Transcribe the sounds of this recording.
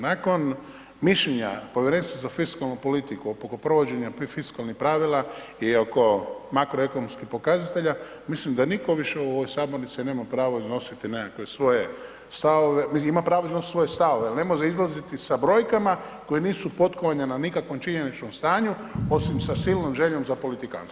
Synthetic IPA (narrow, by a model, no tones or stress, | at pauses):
nako̞n | miʃʎeɲa̰po̞ʋjeɾeːnst̪ʋazafiskalnupo̞lit̪ikuopokopɾo̞ʋod͡ʑe̞ɲapfiskalnixpɾaʋilaioko̞makɾoe̞ko̞nomskixpo̞kazat̪e̞ʎa | mislimd̪aniko̞ʋiʃeuoʋojsaːboɾnit̪sine̞mapɾaːʋoizno̞sit̪inekakʋesʋo̞je | st̪aʋo̞ʋemiimapɾaːʋoiznosit̪sʋo̞jest̪aʋo̞ʋealne̞moʒeizlˠazit̪isabɾo̞jkama | kojeniːsupo̞t̪ko̞ʋaɲananikakʋo̞mt͡ʃiɲe̞nit͡ʃnomst̪aːɲuo̞simsasilˠnomʒe̞ʎo̞mzapo̞lit̪ika̰ns